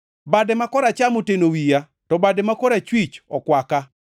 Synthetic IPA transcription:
badɛmakɔɾat͡ʃamotenowija | tɔbadɛmakɔɾat͡ʃwit͡ʃɔkwaka

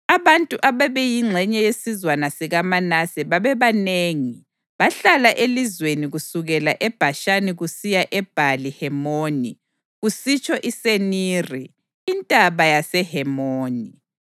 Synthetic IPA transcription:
aβantʼuʔaβɛβɛjiŋ͡ǁʱɛɲɛjesizwanasiɣamanasɛβaβɛβaneːŋi | βaɬalaʔelizweniɣusuɣɛlaʔɛb̥ʱaʃaniɣusijaʔɛb̥ʱalihɛmoni | ɣusit͡ʃʰʼɔʔiseniːriː | ntʼaβajasɛhɛmoːni

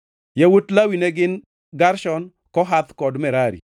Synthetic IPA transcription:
jawotlawinɛɡɪn | ɡaɾʃɔn | kɔɦat̪kɔdmɛɾaɾḭ

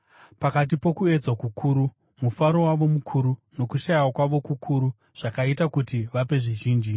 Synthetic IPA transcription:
pakat̬ipo̞kue̞d͡zwakukʰuːɾu | mufaɾo̞waʋo̞mukʰuɾuno̞kuʃajwakwaʋo̞kukʰuɾu | ʐ̥akaitakutiʋape̞ʐiʒiːnd͡ʒi

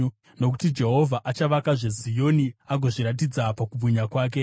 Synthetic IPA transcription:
no̞k̬u̥tid͡ʒe̞ɦo̞vʱaʔat͡ʃaʋakaʐe̞zijo̞niaɡʱoʐiɾat̬id͡zapakub͡vʱuɲakwaːk̬e̞

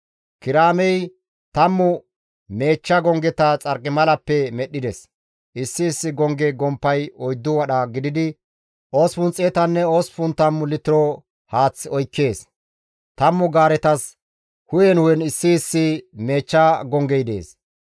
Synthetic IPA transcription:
kɪɾaːmɛj | t̪ɐmːʊ | me̞ːt͡ʃːɐɡɔŋɡɛt̪ɐt͡sʼɐɾkʼːɪmɐlɐpːɛmɛɗːɪd̪ɛs | ʔɪsːɪːsːɪɡɔŋɡɛɡɔmpːɐjɔjd̪ːʊwɐɗɐɡɪd̪ɪd̪ɪ | ʔoːspʊnt͡sʼːeːt̪ɐnːɛo̞ːspʊnt̪ːɐmːʊlɪt̪ɪɾɔ | haːt͡sːɔjkːe̞ːs | t̪ɐmːʊɡaːɾɛt̪ɐs | hʊjɛnʊwɛnɪsːɪːsːɪme̞ːt͡ʃːɐɡɔŋɡɛjd̪e̞̰ːs

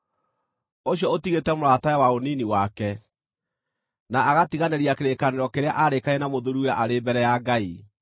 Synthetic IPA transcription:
oɕiɔotiɣetɛmoɾatajawaoniniwakɛ | naːɣatiɣaneɾiakeɾekaneɾɔkeɾea̰ʔaɾekaɛnamoðuɾuaʔaɾebɛɾɛjaɡai

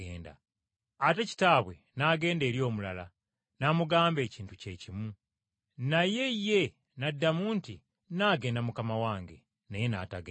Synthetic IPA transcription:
eːnda̰ | ateci̥taːβwe̞ | naɡe̞ːnde̞ːɾjo̞ːmulala | namuɡaːmbe̞ːciːntuce̞cimu | naje̞jːe̞ | nadːamuːnti | naːɡe̞ːndamukamawaːŋɡḛ | neje̞na̰taɡe

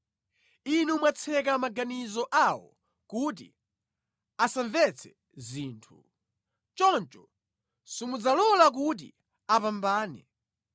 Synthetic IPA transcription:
inumwat͡sʰɛkamaɡanizɔʔawɔ̰ | kut̬ḭ | asaɱvɛt͡sʰɛ̥ | ziːntʰu̥ | t͡ʃɔnt͡ʃɔ | sumud͡zalɔlak̬ut̬ḭ | apambaːnɛ

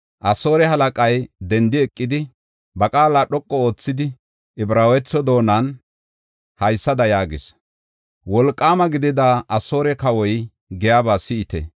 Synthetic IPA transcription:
ʔɐso̞ːɾɛɦɐlɐkʼɐjd̪ɛnd̪ɪɛkʼːɪd̪ɪ | bɐkʼaːlaːɗɔkʼːɔo̞ːt͡sːɪd̪ɪ | ɪbɾaːwɛt͡sːɔd̪o̞ːnɐn | hɐjsːɐd̪ɐjaːɡɪs | wɔlkʼːaːmɐɡɪd̪ɪd̪aʔɐso̞ːɾɛkɐwɔj | ɡɛjaːbaːsɪɪt̪ɛ̰

